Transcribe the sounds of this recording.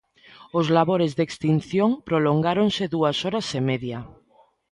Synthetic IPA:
ozlaβoɾezðekst̪inθjoŋpɾoloŋɡaɾonseðuasɔɾasemeðja

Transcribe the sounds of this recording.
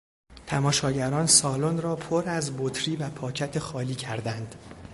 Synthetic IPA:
t̪ʰæmɒːʃɒːɟæɾɒːnsɒːlonrɒːpʰoɾæzbot̪ʰɾiːvæpʰɒːcʰæt̪ʰexɒːliːcʰæɾd̪ænd̪̥

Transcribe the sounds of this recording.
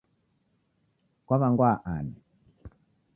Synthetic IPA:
kwaβaŋɡwaʔanɛ

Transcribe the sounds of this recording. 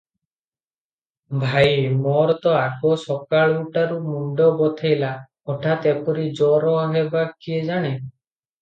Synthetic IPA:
bʱajmɔɾɔt̪ɔakɔsɔkaɭuʈaɾumuɖɔbɔt̪ʰajla | ɔʈʰat̪epɔɾid͡ʒɔɾɔaɦebakied͡ʒaɽ̃e

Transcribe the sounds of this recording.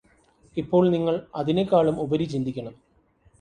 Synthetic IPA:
ipːo̞ːɭniŋːɐɭɐðinekːaːɭumubɐɾit͡ɕind̪ʱikʲːɐɳɐm

